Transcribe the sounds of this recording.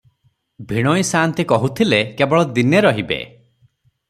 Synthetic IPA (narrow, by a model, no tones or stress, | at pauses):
bʱiɽ̃ɔjsant̪ikɔɦut̪ʰilekebɔɭɔd̪ineɾɔɦibḛ